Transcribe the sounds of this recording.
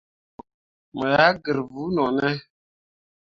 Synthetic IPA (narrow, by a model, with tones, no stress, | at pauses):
mə˨ja˦ɡə˨ɾvu˨˦nɔ˨nɛ˦